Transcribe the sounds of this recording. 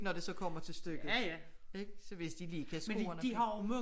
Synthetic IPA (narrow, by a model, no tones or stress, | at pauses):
nɒd̥e̝sɒ̽kʰɒ̽m̰ɐt͡sʰe̝lsd̥øɡ̥ð̩ˠeɡ̥sɒʋe̝sd̥iliːkʰæsɡmoɐnəd̥iɦɑʊmø